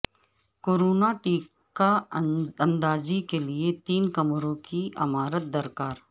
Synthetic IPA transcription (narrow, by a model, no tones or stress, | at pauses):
koːɾoːnaʈiːk | ka | ɐ̃nd̪aːzikeliet̪iːnkɐmɾõkiʔɐmaːɾət̪̚d̪ɐɾkaːɾ